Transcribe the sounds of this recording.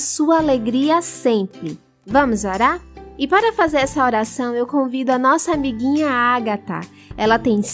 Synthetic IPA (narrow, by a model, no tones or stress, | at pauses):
suɐaleɡɾiɐsẽpɾɪ | vɐ̃mʊzoɾaɾɪpaɾɐfazeɾɛsɐoɾasɐ̃w̃ewkõvid̪ʊɐnɔsɐamiɡĩɲɐaɡat̪ɐ̰ | ɛlɐt̪ẽj̃s